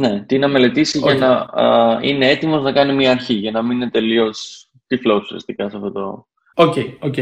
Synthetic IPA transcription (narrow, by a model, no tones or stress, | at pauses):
ne̞t̪inɐme̞le̞t̪isiʝɐnɐ | ine̞e̞t̪imo̞znɐkɐnimɲiɐːɾçiʝɐnɐmininet̪e̞lio̞s | t̪iflosusiɐ̰st̪ikɐseɐft̪o̞t̪o̞̰ | oceoce